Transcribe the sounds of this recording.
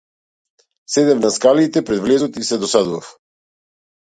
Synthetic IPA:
sɛd̪ɛfnaskalit̪ɛpɾɛd̪vlɛzɔt̪isɛd̪ɔsad̪uvaf

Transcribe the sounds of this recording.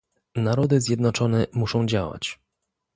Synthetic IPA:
naɾɔd̪ɘzʲjɛd̪nɔt͡ʂɔnɛmuʂɔ̃w̃d͡ʑawa̰t͡ɕ

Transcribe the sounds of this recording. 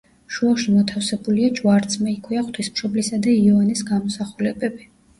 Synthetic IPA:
ʃuaʃimɔt̪ʰafsɛbuliad͡ʒwaɾt̪sʰmɛikʰwiaχt̪ʰwismʃɔblisad̪aiɔanisɡamɔsaχulɛbɛbi

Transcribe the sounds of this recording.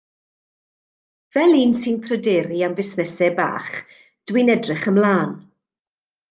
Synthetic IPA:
vɛlˠiːnsɨnpʰrədeːɾiamvɪsnɛsɛba̰ːχ | d̥winɛdrɪχəmlˠaːn

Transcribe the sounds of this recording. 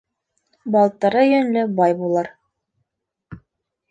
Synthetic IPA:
bɑlˠt̪ɑɾɤjɵnlɘbɑjbulˠɤɾ

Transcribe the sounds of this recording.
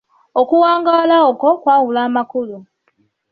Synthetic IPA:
okuwaːŋɡalaoko̞kwaːɣulaːmakulu

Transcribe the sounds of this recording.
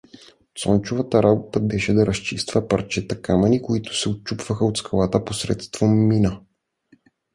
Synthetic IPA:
t̪sɔnt͡ʃʊvɐt̪əɾabot̪əbɛʃɛd̪ɐɾɐst͡ʃist̪vəpɐɾt͡ʃɛt̪ɐkamɐnikoit̪ʊ̥sɛot̪̚t͡ʃupv̥əxəot̪skɐlˠat̪əposɾɛ̰t̪st̪v̥omːinə

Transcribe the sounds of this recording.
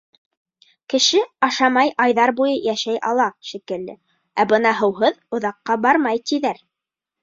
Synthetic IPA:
kɘ̆ʃɘɑʃɑmɑjʔɑjðɑɾbujɤjæʃæjʔɑ̰lˠɑʃikɘ̆ld̪ɘ̰ | æbɤnɑɦɤ̆wɦɤðŏðɑqːɑbɑɾmɑjt̪iðæɾ

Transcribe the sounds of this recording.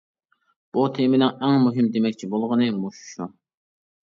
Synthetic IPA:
b̥ut̪ʰemɪnɪŋɛŋmuɦɪmd̪emɛk̚ʲt͡ʃʰibolˠʁənɨmuʃu̥ʃu

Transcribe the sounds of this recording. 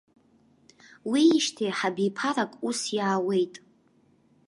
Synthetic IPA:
wiːʃtʰeħabipʰaɾakʼusjaːwe̞jtʼ

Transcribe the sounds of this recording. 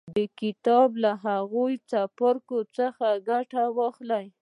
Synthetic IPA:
d̪əkɪt̪ɑblaɦaɣujt͡sapaɾkot͡səxaɡaʈawɑxlaj

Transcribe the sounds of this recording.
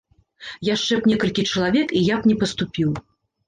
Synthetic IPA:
jaʂt͡ʂɛpnʲɛkɐlʲkʲit͡ʂɐlˠavʲɛkijapnʲɛpɐst̪upʲiw

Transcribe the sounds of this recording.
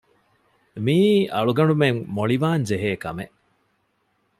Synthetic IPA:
miːʔɐɭuɡɐɳɖumeŋmoɭiʋaːnd͡ʒeɦeːkɐ̰meʔ

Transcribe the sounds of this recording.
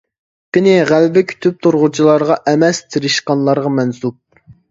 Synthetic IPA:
qɪnɪʁælbɪkʲʰy̥t̪ʰyp̚t̪ʰuɾʁʊt͡ʃʰilˠɑɾʁɑʔɛmɛst̪ʰɪɾɪʃqɑnlˠɑɾʁɑmɛnsup̚

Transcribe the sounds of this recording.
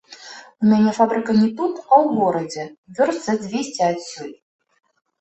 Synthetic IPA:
umʲanʲɛfabɾɨkɐnʲɛt̪ut̪ɐwɣɔɾɐd͡zʲɛvʲɔrt̪sɐd͡zʲvʲesʲt͡sʲiasʲːɔlʲ

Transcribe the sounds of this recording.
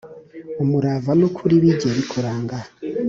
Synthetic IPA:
omuɾavanokʰuɾiβiɟeβikʰoɾaːŋɡa

